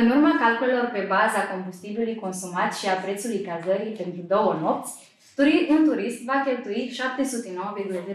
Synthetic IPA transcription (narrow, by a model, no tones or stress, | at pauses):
ɨnurmakalkulelo̞rpe̞bazako̞mbust̪ibilujko̞nsumat̪ʃiapɾe̞t̪sulujkazəɾipe̞nt̪ɾud̪o̞wəno̞p̚t̪sʲ | t̪uɾiunt̪uɾist̪vakʲe̞lt̪uiʃap̚t̪e̞sut̪e̞no̞wəveɡʲulazi